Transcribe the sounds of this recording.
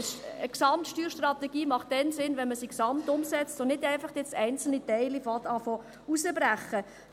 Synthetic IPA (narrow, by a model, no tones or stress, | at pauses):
əksɑmtʃtyːɾʃtrɑt̪ɛɡiːmɑχt̚d̥ɛnsɪnʋɛnməsiksɑmt̪ʊmsɛt͡stonɪdæɪfɑχtɛt͡sɛɪnt͡sl̩nitɛɪlifɑt̪ɑːfɔ | usəbɾæχə